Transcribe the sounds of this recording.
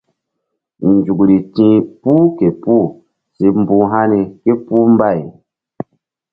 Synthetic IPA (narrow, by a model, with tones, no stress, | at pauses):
n˨d͡ʒu˨kɾi˨tĩ˧˦pu˦ke˨pu˦˨ | si˨m̩˦bũ˧ɦa˦ni˨ke˦pu˦m˦ba˦˨i˨